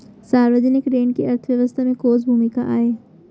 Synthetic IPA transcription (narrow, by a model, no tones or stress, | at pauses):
saːɾʋəd͡ʒənɪkɾeːɳkeɐɾt̪ʰʋjɐʋəst̪ʰamẽkoːzbʱuːmika̰ʔaːeː